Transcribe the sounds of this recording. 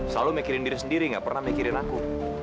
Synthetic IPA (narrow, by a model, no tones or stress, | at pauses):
səlalumekiɾɪndiɾisəndiɾiŋɡa̰ʔpərnahmekiɾɪnaku